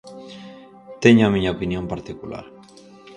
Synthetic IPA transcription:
t̪eɲamiɲaopinjompaɾt̪ikula̰ɾ

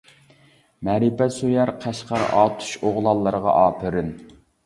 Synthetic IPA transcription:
mɛɾɪpɛsujæɾqʰæʃqɑɾ̰ʔɑ̰ːt̪ʰu̥ʃoʁlˠɑlˠːəɾəʁɑ̰ʔɑːpʰɨɾɪn

